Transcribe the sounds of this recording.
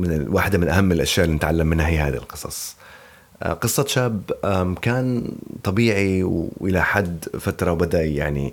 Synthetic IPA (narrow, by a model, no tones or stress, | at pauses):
mɪnɪwaːħɪd̪amɪnʔahamːɪlʔaʃjaːʔɪlinɪt̪ʕalːamːɪnːahiɦaːd̪ḭlqɨ̥sˤɑ̰sˤ | qɨsˤːɑʃaːbakaːnt̪ˤɑbiːʕiwʔɪlaħad̪fat̪ɾˤɑwbad̪aʔjaʕnḭ